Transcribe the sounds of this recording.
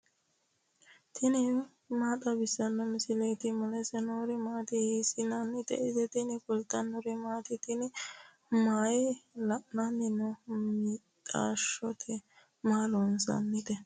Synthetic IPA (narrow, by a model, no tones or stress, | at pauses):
t̪ʰɪnɪ | maːt̪ɐbɪsːɐnːɔmɪsɪlɛjt̪ɪmɔlɛsɛnoɾɪmaːt̪ɪhiːsɪnɐnːɪt̪ɛ̰ʔɪzɛt̪ɪnɪkʊlt̪ːɐnːɔɾɪmaːt̪ɪt̪ɪnɪ | maːjɪlɐʔnɐnɪnɔmit̪ʼa̰ːʃɔt̪ʰɛ | maːlɔnsɐ̰nːɪt̪ɛ